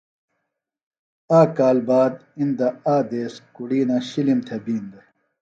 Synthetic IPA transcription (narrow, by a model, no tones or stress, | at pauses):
aːkaːlbaːd̪ind̪ɐaːd̪eːskuɽiːnaɕilimt̪ʰebiːnd̪e